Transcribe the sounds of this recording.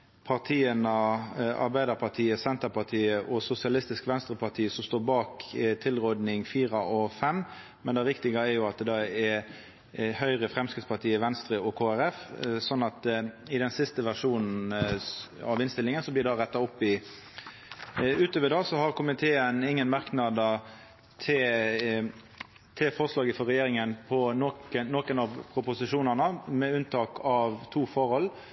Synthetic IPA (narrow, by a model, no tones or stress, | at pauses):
pʰɑʁt̪ʰiːənəɑ̰ɾbæɪd̪əɾpʰɑʁt̪ʰiːəsɛnt̪əpɑʁt̪ʰiːəʔɔsʊsɪɑlɪst̪ɪskʋɛnst̪ʁəpʰɑʁt̪ʰiːəsɔmst̪oːɾbɑːkt̪ʰɪlʁoːd̪nɪŋfiːɾɑʔɔfɛmː | mɛnd̪ɛʋɪkt̪ɪɡəɛɾjʊɑt̪̚d̪ɛd̪ɛɛ | hœʏʁəfʁɛmskʁɪt̪spʰɑt̪ʰiːəʋɛnst̪ɾəɔkʰoːæɾɛfsɔnːɑt̪ | ɪd̪ɛnsɪst̪əʋæʂuːnn̩ | ɑʋɪnst̪ɪlɪŋənsɔblɪɖɑʁɛt̪ːɑʊpːɪ | ʉːt̪øːʋəɖɑːsɔhɑɾkʰʊmɪt̪ʰeːənɪŋːənmɑɾknɑd̪ə | t̪ʰɪ | t̪ʰɪlfɔʁslɑːɡəfɔɾɛjeːɾɪŋənpʰɔnokəːoːkənɑʋpʰʁʊpʊsɪʂuːnənəmɛʉnt̪ʰɑːkʰɑʋt̪ʰuːfɔɾhɔlː